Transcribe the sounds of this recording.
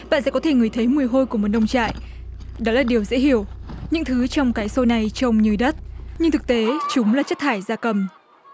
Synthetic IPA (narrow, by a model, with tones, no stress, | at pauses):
ɓa̰ː˧˨nsɛ̰˧˥kɔ˨˦t̪ʰe˧˩ŋɨ˨˩əjt̪ʰə˨˦jmɨ˨˩əjɦo˧jku˧˩əmo˨˩t̚ɗə˧wŋ͡mt͡ɕa̰ː˧˨jʔ | ɗɔ˨˦laː˨˩ɗi˨˩əwzɛ̰˧˥hi˧˩əwɲɨ̰˧˥ŋt̪ʰɨ˨˦t͡ɕɔ˧wŋ͡mkaː˨˦jso˧na˨˩jt͡ɕɔ˧wŋ͡mɲɨ˨əjɗə˦˥t̚ɲɨ˧ŋt̪ʰɨ˨˩k̚t̪e˨˦t͡ɕʊ˨˦ŋ͡mlaː˨˩t͡ɕə˦˥t̚t̪ʰaː˧˩jzaː˧kə˨˩m